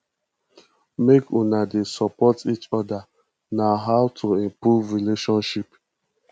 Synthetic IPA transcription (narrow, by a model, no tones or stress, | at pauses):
mekunadesɔpɔtit͡ʃɔda | naɦaʊtʰuĩmpɾuvɾileʃɔ̃nʃip